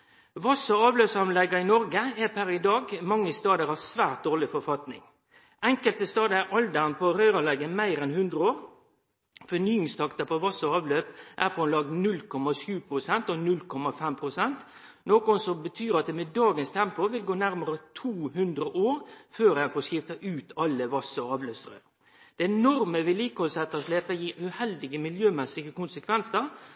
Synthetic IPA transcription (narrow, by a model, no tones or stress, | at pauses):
ʋɑsəɑːʋløːpsɑnlɛɡɑɪnɔɾɡəæpʰæɾɪd̪ɑːɡmɑŋːəst̪ɑːd̪əɾɑʋsʋæːʁt̪̚d̪oːʁlɪfɔɾfɑt̪nɪ̰ŋ | ʔɛŋkəlt̪əst̪ɑːd̪əæʔɑld̪ənpʰoɾœʏʁɑlɛɡəmæɪɾɛnhʉnd̪ʁəoːʁ | fɔnyːɪŋst̪ʰɑkt̪ɑpʰɔʋɑsəɑːʋløːpʔæʁpʰɔnlɑɡ̪̚nʉlkʰɔmːɑʃʉːpʰɾʊsɛnt̪ɔnʉlkʰɔmɑfɛmpʰɾʊsɛnt̪ | noːkʊnsɔmbət̪ʰyːɾɑt̪̚d̪ɛmed̪ɑːɡənst̪ʰɛmpʊʋɪlɡoːnæɾməɾət̪ʰuːhʉnd̪ɾəʔoːɾføːɾænfɔːʂkɪft̪ɑʔʉːt̪ʰɑlːəʋɑsɔɑːʋløːpsɾœ̰ː | d̪̥ɛnɔɾməʋɪliːkəhɔlsɛt̪ːəɔʂleːpəjiːʉhɛld̪ɪɡəmɪljøːmɛsɪɡəkʊnsəkʰʋɛnsəɾ